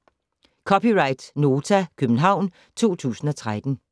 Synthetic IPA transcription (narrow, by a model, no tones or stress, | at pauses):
kʰɒpiʁɑ̈ɪd̥no̝ːt͡sʰækʰøb̥n̩ɦɑ̈ʊ̰n | t͡sʰo̝̰ːt͡sʰṵːsn̩ɒ̽t͡sʰʁad̥n̩